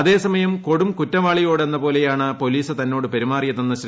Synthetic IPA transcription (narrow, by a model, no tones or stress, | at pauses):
ɐðe̞ːsɐmɐjɐmko̞ɽumkutːɐʋaːɭijo̞ːɽe̞nːɐpo̞ːle̞jaːɳɨpo̞liːsɨt̪ɐnːo̞ːɽɨpeɾimaːrijɐt̪ɐnːɐɕr